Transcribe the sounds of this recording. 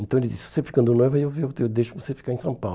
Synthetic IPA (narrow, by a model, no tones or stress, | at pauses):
ẽnt̪ɐ̃elid̪isvo̥sefi̥kɐ̃nd̪unojvɐiewewewd̪ejʃuvosefi̥kaɾẽsɐ̃paw